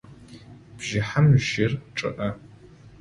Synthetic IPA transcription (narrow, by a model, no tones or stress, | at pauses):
b̥ʒɪħamʒɪrʈ͡ʂʼɨ̰ʔɐ